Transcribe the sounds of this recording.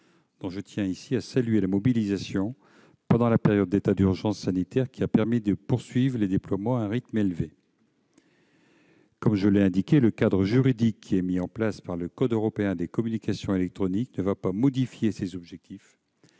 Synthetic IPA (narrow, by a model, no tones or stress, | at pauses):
d̪̥ɔ̃ʒət̪jɛ̃isiasalɥelamɔbilizasjɔ̃ | pɑ̃d̪ɑ̃lapeʁjɔd̪ːet̪ad̪yʁʒɑ̃sːanit̪ɛʁkʲiapɛʁmid̪əpuʁsɥivʁəled̪eplwamɑ̃ɛ̃ʁit̪melve | kɔmʒəlɛɛ̃d̪ikʲeləkad̪ʁəʒyʁid̪ikʰːiɛmiɑ̃plaspaʁləkɔd̪øʁɔpeɛ̃d̪ekɔmynikasjɔ̃elɛk̚t̪χɔniknəvapamɔd̪ifjesezɔbʒɛk̚t̪if